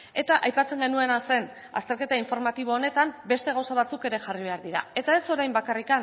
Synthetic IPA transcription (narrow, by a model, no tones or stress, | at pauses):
e̞t̪aʔajpat͡se̞ŋɡe̞nue̞nase̞n | a̰st̪e̞ɾke̞t̪aiɱfo̞ɾmat̪iβ̞oːne̞t̪ambe̞st̪e̞ɣ̞awsaβat͡suke̞ɾe̞ʝariβ̞e̞aɾðiɾa̰e̞t̪ae̞so̞ɾajmbakarikan